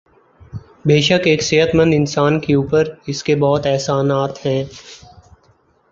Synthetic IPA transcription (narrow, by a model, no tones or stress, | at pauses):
beːʃəkeːkseːɦət̪mə̃nd̪ɪnsaːnkeuːpəɾɪskebɔːt̪ɛɦsaːnaːt̪ɦɛ̃ː